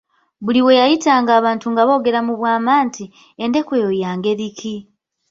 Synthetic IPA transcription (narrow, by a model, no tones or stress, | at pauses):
βuliwe̞jajitaːŋɡaːβaːntuŋɡaβo̞ːɡe̞ɾamuβwaːmaːntʰi | ende̞kweojaːŋɡe̞ɾikʰi